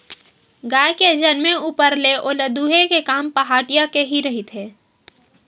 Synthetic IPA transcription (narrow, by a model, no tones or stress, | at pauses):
ɡaːjked͡ʒənmẽuːpəɾleʔoːləd̪uːɦekekaːmpəɦaːʈijakeɦiɾɐɦɪt̪ɦeː